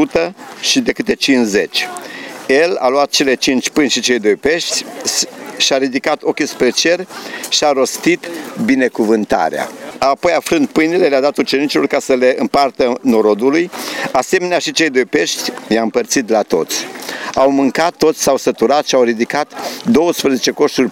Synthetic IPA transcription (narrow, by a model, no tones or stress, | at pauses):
ut̪əʃid̪e̞kɨt̪e̞t͡ʃinze̞t͡ʃʲje̞la̰luat̪̚t͡ʃe̞le̞t͡ʃint͡ʃʲpɨnʲʃit͡ʃe̞jd̪o̞jpe̞ʃt̪sʲ | ʃiaɾid̪ikat̪o̞kʲispɾe̞t͡ʃe̞rʃiaɾo̞st̪it̪bine̞kuvɨnt̪a̰ɾḛa̰apo̞jafɾɨnd̪̚pɨjnile̞lead̪at̪ut͡ʃe̞nit͡ʃilo̞rkasəle̞ɨmpart̪əno̞ɾo̞d̪ulujase̞me̞neaʃit͡ʃe̞jd̪o̞jpe̞ʃt̪ʲjaɨmpərt̪sit̪lat̪o̞̰t̪sʲawmɨŋkat̪ːo̞t̪sʲsawsət̪uɾat̪ʃiawɾid̪ikat̪d̪o̞wəspɾəzet͡ʃe̞ko̞ʃt̪urʲ